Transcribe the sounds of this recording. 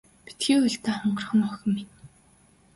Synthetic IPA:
pi̥t̪ɡiːʊɮt̪æːχɔɴɢɞ̆rχɞ̆nɔxə̆mːit̪

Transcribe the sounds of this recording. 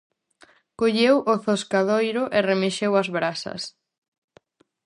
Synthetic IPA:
koʎewʔoθoskaðojɾʊʔeremeʃewɐzβɾasɐ̰s

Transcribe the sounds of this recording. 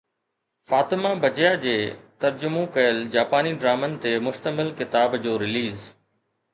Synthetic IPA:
faːt̪ɪmabɐd͡ʑjad͡ʑeːt̪ɐɾd͡ʑʊmõkɐjəld͡ʑaːpaːniɖɾaːmənɪ̆t̪eːmʊst̪əmɪlkɪt̪aːbd͡ʑoːɾɪliːz

